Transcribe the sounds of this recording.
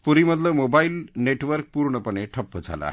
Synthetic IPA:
puɾiməd̪ləʋmobailneʈʋəɾk̚puɾɳəpəɳeʈʰəpːəd͡zʱa̰la̰a̰ɦ

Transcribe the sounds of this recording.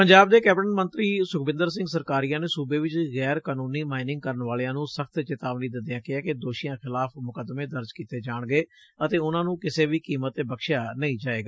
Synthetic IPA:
pəɲd͡ʒaːb̚d̪eːkɛːpʈənmə̃nt̪ɾiːsʊkbɪ̃nd̪əɾs̬ɪ̃ŋɡsəɾkaːɾijãːneːsuːbeːʋɪt͡ʃɣɛːɾkaːnũːniːmaːɪnɪ̃ŋɡ̚kəɾənʋaːleãːnũːsəkʰt̪t͡ʃɪt̪aːʋniːd̪ɪnd̪ɪjãːkɪaːked̪oːʃijãːxɪlaːpʰmʊkəd̪mẽːd̪əɾd͡ʒkiːt̪eːd͡ʒaːɳɡəeː | ət̪eːʊnãːnũːkɪseːʋiːkiːmət̪ːeːbəkʃjaːnəĩːd͡ʒaːeːɡaː

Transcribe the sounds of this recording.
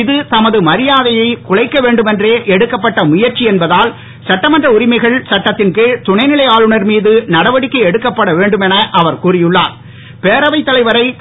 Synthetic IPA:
ɪðɯt̪ɐmɐðɯmɐɾɪjaːðɐjɐɪkʊɻɐɪkːɐʋeːɳɖɯmɛndreːʔɛɽɯkːɐpːɐʈːɐmʊjɐɾt͡ʃiɛnbɐðaːl | sɐʈːɐmɐndrɐʊɾɪmɐɪɣɐɭsɐʈːɐt̪ːɪnkɯt̪ʊɳɐɪnɪlɐɪaːlɯɳɐɾmiːðɯnɐɽɐʋɐɽɪkːɐɛɽɯkːɐpːɐɽɐʋeːɳɖɯmɛnɐʔɐʋɐɾkuːrɪjɯɭːa̰ːɾ | peːɾɐʋɐɪt̪ːɐlɐɪʋɐɾɐɪ

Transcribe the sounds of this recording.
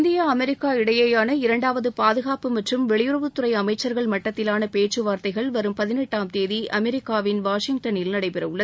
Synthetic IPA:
nd̪ɪjaːɐmɛɾɪkːaːɪɽɐjɐjaːnɐɪɾɐɳɖaːʋɐðɯpaːðɯɣaːpɯmɐʈrɯmʋɛɭɪjʊɾɐʋɯt̪ːʊɾɐɪɐmɐɪt͡ʃːɐɾɣɐɭmɐʈːɐt̪ːɪlaːnɐpeːt͡ʃːɯʋaːɾt̪ɐɪɣɐɭʋɐɾɯmpɐðɪnɛʈːaːmt̪eːðiʔʔɐmɛɾɪkːaːʋɪnʋaːʂɪŋɡ̚ʈɐnɪlnɐɽɐɪpɛɾɐʋɯɭːɐð

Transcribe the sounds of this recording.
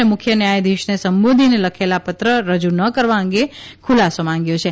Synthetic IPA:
emʊkʰjənjajd̪iʃnesəmbod̪ʱineləkʰelapət̪ɾəɾəd͡ʒunəkəɾʋãə̃ŋɡekʰulasomãŋɡjõt͡ʃʰe

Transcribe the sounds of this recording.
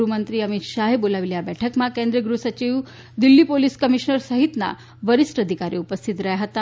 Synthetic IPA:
ɾumənt̪ɾiːəmit̪ʃaɦebolaʋiljabɛʈʰəkmakẽnd̪ɾəɡɾusət͡ɕiʋ | d̪ilːipoliskəmiʃnəɾsəɦit̪na̰ | ʋəɾisʈəd̪ʱikaɾiupəst̪ʰit̪ɾəɦjaɦət̪a

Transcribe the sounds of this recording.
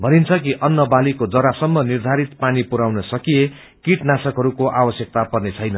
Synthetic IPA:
bʱʌnint͡sʰʌkiʔʌnːʌbalikod͡zʌɾasʌmːʌnird̪ʱaɾit̪panipuɾawnʌsʌkije | kiʈnasʌkɦʌɾukoʔabʌsjʌk̚t̪apʌrnet͡sʰʌjnʌ

